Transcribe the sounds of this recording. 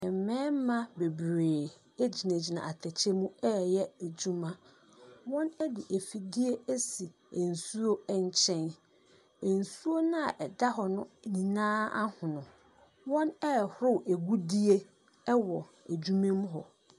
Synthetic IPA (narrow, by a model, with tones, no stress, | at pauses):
ɛ˨m˨mɛ̃ː˦m˦mã˦be˨bɾeː˨ | e˦d͡ʑi˨næ̃˨d͡ʑi˨nã̰˨a˨tʰɛ˨t͡ɕʰɛ˦mũ˦ɛ˦˨jɛ˦æ˨d͡ʑu˦mã˦ | wɔ̃˦nɛ˦dɪ˨ʔæ˨fi˨di˦e˦æ˦si˨ | e˨n̩˨su˦o˦ɲ˦t͡ɕʰɛ̃˦n | e˨n̩˨su˦o˦nã˦a˨ʔɛ˨da˦ɦɔ˨nʊ̃˦nĩ˨nãː˦a̰˦hʊ̃˨nʊ̃˨ | wɔ̃˦nɛ˦˨hʊ˦ɾʊ˦wʔæ˨ɡu˦di˦e˦ | ɛ˦wɔ˨ | æ˨d͡ʑu˦mẽ˦m˦ɦɔ˨